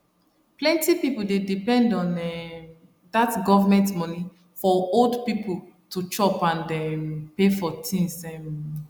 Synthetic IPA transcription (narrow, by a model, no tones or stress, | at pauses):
plɛ̃ntipipul̩dedipɛ̃ndɔ̃nɛ | datɡɔvamɛ̃ntmɔni | fɔoldpipʰultʰut͡ʃɔpãndɛmpefɔtʰĩnsɛm